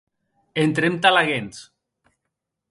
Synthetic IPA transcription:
ent̪ɾemt̪alaɣens

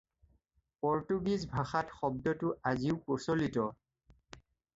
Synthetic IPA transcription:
pɔɹtuɡizbʱaxatxɔb̚dɔtʊʔaziʊposolitɔ

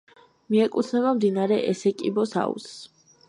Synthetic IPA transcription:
miɛkʼut̪ʰnɛβamd̪inaɾɛʔɛsɛkʼibɔsa̰ṵs

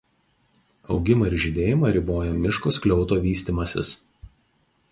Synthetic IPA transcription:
ɒ̰ʊɡʲɪmɐɪɾʒʲɪd̪ʲeːjɪmɐɾʲɪboːjɛmʲɪʃkosklʲɔʊt̪oːʋʲiːsʲt̪ʲiːˑmɐsʲɪ̰s

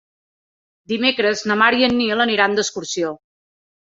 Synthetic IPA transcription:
d̪imekɾəznəmaɾiənːilˠəniɾand̪əskuɾsio

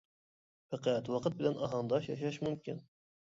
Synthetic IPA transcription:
fæqʰæt̪wɑqət̪̚bɪlɛnʔɑɦɑnd̪ɑʃjɑʃ̬ɑʃmymkʲin

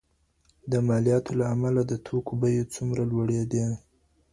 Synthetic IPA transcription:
d̪əmɑlijɑt̪ʰolaːmalad̪ət̪ʰokobajot͡sumɾalwaɽed̪e

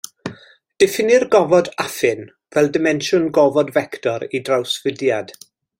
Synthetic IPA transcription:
d̥ɛfɪnɪrɡɔvɔdafɪn | v̥ɛlˠdɪmɛnʃʊnɡɔvɔdvɛktʰɔɾidrawsvədjad̥

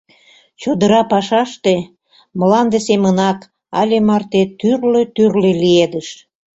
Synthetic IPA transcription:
t͡ɕod̪əɾɑpɑʃɑʃt̪e | məlɑnd̪esemənɑk | ɑ̰lʲemɑrt̪et̪yrløt̪yrlelied̪əʃ

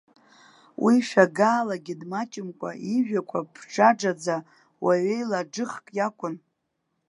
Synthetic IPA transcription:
wʔiʃᶣaɡaːlaɡʲidmat͡ʃʼɪmkʷʼa̰iʒᶣakʷʰapʰʈ͡ʂʰaʈ͡ʂad͡za | waɥejlaɖ͡ʐɨχkʼjakʷʼʊn

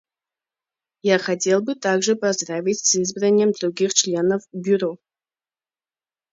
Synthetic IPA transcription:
jaχatʰelˠbɨtʰaɡʐepʰɐzdravʲitʲsɨzbranʲemdruɡʲiχt͡ʃʰlʲenovbʲyro̞

